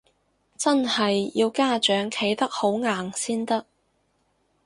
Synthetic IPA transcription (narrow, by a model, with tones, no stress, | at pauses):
t͡sɐ˥nhɐ˨jji˧wkaː˥t͡ʃœː˨˥ŋkʰe˨˥jt̪ɐ˥k̚ho˨˥wŋaː˨˩ŋsiː˥nt̪ɐ˥k̚